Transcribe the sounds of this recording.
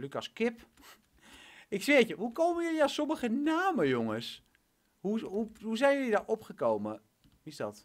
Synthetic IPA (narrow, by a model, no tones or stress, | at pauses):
lykaskɪp | ɪksʋɪəcəhukoːməjølijasoməɣənaːməjoŋəs | huuhuzɛjnjølidaʔopχəkoːmə | ʋisdɔt